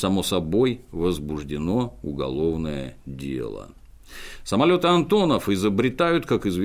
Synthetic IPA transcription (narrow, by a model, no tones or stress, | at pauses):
sɐmo̞sɐbo̞jvəzbʊʐdʲɪno̞ʊɡɐ̰lˠo̞vnəjə̰dʲe̞̰lˠə̰ | səmɐlʲo̞t̪ɨɐnt̪o̞nəfɪzəbɾʲɪt̪ajʊt̪kakɪzvʲ